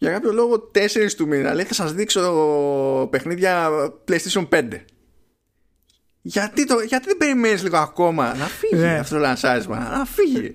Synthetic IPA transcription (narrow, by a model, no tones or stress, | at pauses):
ʝɐkɐpço̞lo̞ɣo̞t̪e̞se̞ɾist̪uminɐ̰leθɐsɐzðikso̞ | pe̞xniðʝɐplejst̪esiompe̞nd̪e̞ | ʝɐt̪it̪oʝɐt̪iðe̞be̞ɾime̞nizliɣo̞ako̞mɐnɐfiʝiaɐft̪ot̪olɐnsɐɾizmɐ̰nɐfiʝḭ